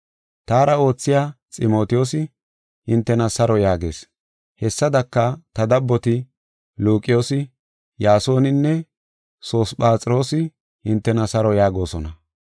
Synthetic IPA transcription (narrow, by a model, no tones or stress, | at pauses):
t̪aːɾɐo̞ːt͡sːɪjaːt͡sʼɪmo̞ːt̪ɪjo̞ːsɪ | hɪnt̪ːɛnɐsɐɾɔjaːɡe̞ːs | hɛsːɐd̪ɐkːɐt̪ɐd̪ɐbːɔt̪ɪ | luːkʼɪjo̞ːsɪ | jaːso̞ːnɪnːɛ | so̞ːspʼaːt͡sʼɾo̞ːsɪ | hɪnt̪ːɛnɐsɐɾɔjaːɡo̞ːsɔnɐ